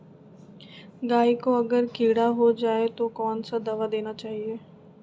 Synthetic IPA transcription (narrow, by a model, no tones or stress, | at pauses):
ɡaːikoɐɡəɾkiːɽaɦod͡ʒaːet̪okɔːnsad̪ɐʋad̪eːnat͡ʃaːɦieː